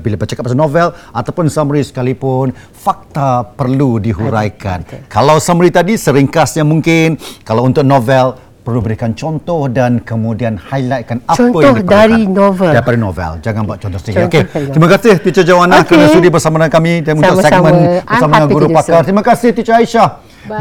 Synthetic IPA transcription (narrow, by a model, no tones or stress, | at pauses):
bilabərt͡ʃəkap̚asanovɛlat̪awpʊnsamɾisə̥kalipʊn | fak̚t̪apərludiɦuɾajka̰nkalawsamɾit̪adisəɾiŋkasjaŋmũŋkɪnkalawunt̪ʊk̚nɔvɛl | pərlubəɾikant͡ʃɔnt̪ɔhdankəmũdianhajlat̪̚kanaədaɾinovɛdaɾipadanovɛ̰ld͡ʒaŋãnbaʔt͡ʃɔnt̪ɔsioket̪ɾimakasɪht̪it͡ʃad͡ʒawanãkəɾanasudibərsamãnakamidaunʊksɛmə̃nbəsamaanɡuɾupakart̪ɾimãkasɪht̪it͡ʃaaiʃah